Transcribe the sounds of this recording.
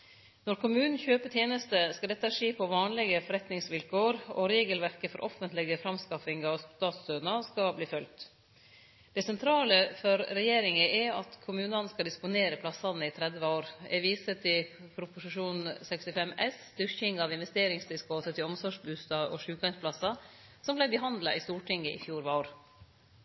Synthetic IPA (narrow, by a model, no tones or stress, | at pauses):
nɔɾkʊmʉːnn̩çøːpət̪ʰjeːnəst̪əskɑld̪ɛt̪ːəæʂeːpʰɔʋɑːnlɪɡəfɔɾɛt̪nɪŋsʋɪlkoːɾɔɾeːɡəlʋæɾkəfɔɾʔɔfənt̪lɪɡəfɾɑmskɑfɪŋɑʋst̪ɑːt̪søːnɑskɑbliːfœlt̪ | d̪̥ɛsɛnt̪ʰɾɑːləfɔɾːɛjeːɾɪŋəʔɛɑ̰t̪kʰʊmʉːnɑnskɑld̪ɪspʊneːɾəpʰlɑsɑnəɪt̪ʰɾɛd̪ʋəoːɾɛ̰ʋiːsət̪ʰɪlpʰɾʊpʊsɪʂuːnsɛkst̪ɪfɛmʔɛsd̪̥ʏɾçɪŋɑʋɪnʋɛst̪eːɾɪŋst̪ɪsɡoːt̪ət̪ɪlɔmsɔʂbʉst̪ɑɔ̰ʂʉːkɑɪnspʰlɑsːɑ | sɔmblæɪbəɦɑnd̪lɑ̰ʔɪst̪uːʈʰɪŋːəʔɪ̰fjuːɾʋoːɾ